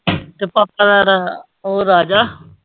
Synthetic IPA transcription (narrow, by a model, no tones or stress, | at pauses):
t̪epaːp̚ːad̪aɾa | oːɾaːd͡ʒaː